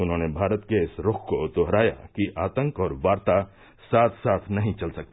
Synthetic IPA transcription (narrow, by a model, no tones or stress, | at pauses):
ʊnɦõːnebʱaːɾət̪keɪsɾokʰkot̪oɦɾaːja̰kiʔaːt̪ə̃ŋkɔːɾʋaːɾt̪a | saːt̪ʰsaːt̪ʰnɐɦĩt͡ʃɐlsɐk̚t̪e